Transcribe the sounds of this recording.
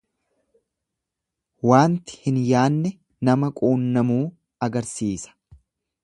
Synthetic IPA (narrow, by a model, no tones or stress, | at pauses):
waːnt̪ɪ̥hɪnjaːnːɛ | nɐmɐkʼuːnːɐmuː | ɐɡɐɾsiːsɐ̥